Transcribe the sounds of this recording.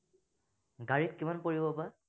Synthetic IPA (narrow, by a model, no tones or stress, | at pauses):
ɡaɹit̚kimanpoɹibɔpa